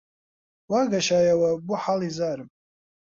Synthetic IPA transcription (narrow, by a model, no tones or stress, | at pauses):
waɡaʃajawabuħalizarpʼ